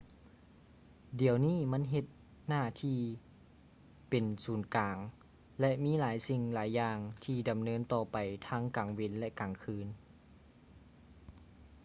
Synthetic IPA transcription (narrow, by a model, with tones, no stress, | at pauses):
di˨˩əwniː˥˨ma˧˥˨nɦe˧t̪̚ | naː˧˥˩t̪ʰiː˧˩ | pe˨nsuː˨˩nkaː˨˩ŋ | lɛ˧ʔmiː˧˥˨laː˩˦jsi˧ŋlaː˨˦jːaː˧ŋt̪ʰiː˧˩da˨˩mnɤː˧˥nt̪ɔː˧˩pa˨˩jt̪ʰaː˧˥ŋkaː˨˩ŋwe˧˥˨nlɛ˧ʔkaː˨˩ŋkʰɯː˧˥n